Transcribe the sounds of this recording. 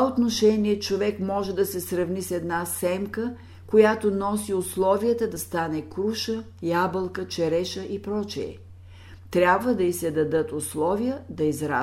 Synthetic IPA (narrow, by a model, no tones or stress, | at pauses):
aot̪noʃɛniɛt͡ʃovɛkmɔʒɛd̪ɐsɛsɾɐvnisɛd̪nasɛmkə | kojat̪onɔsiʊslˠɔvijət̪əd̪ɐst̪anɛkɾuʃə | jabəlˠkət͡ʃɛɾɛʃəʔipɾɔt͡ʃiɛ̰ | t̪ɾʲabvəd̪ɐisɛd̪ɐd̪ɤt̪ʊslˠɔvijəd̪ɐizɾa